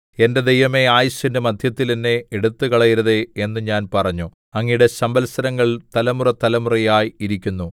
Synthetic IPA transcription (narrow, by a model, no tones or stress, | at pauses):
e̞nde̞d̪ejʋɐme̞aːjɐɕindemɐd̪ʱjɐt̪ːilinːe̞eɽut̪ːɨkɐɭɐjiɾɐðeenːɨɲaːnpɐrɐɲːu | ɐŋːijuɽe̞sɐmbɐlsɐɾɐŋːɐɭt̪ɐlɐmurɐt̪ɐlɐmurɐjaːjiɾikʲːunːu